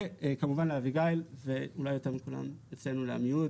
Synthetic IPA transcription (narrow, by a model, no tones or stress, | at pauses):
ekamuvanleaviɡajlve̞ulajotamikula̰met͡sle̞nulea̰mijut